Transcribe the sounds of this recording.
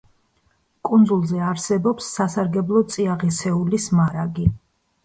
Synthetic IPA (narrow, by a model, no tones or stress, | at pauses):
kʼund̪zulˠzɛaɾsɛbɔpsːasaɾɡɛblˠɔt̪sʼiaʁisɛulismaɾaɡi